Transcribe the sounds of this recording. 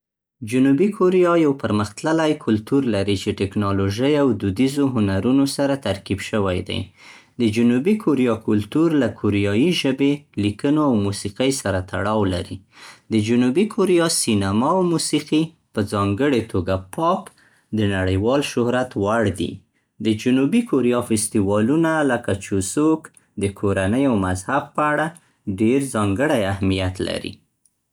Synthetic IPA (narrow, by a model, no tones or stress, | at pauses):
d͡ʒʊnubikʰoɾijɑjawpəɾməxt̪ləlajkʰʊlt̪uɾlaɾit͡ʃeʈɪknɑloʒəjawd̪ud̪izoɦʊnaɾunosaɾat̪aɾkibʃəwajd̪a̰j | d̪əd͡ʒʊnubikʰʊɾijɑkʊlt̪uɾlakʰʊɾijɑjiʒəbelikənoawmusiqəjsaɾat̪a̰ɽɑwla̰ɾḭ | d̪əd͡ʒʊnubikʰʊɾijɑsinamɑawmusiqi | pəzɑŋɡəɽet̪ʰoɡapʰɑk | d̪ənaɽəjwɑlʃʊhɾat̪waɽd̪ḭ | d̪əd͡ʒʊnubikʰoɾijɑfɪst̪iwɑlunaləkat͡ʃusuok | d̪əkʰoɾanəjawmazhab̚pəaɽa | ɖeɾzɑŋɡəɽajahmijat̪la̰ɾḭ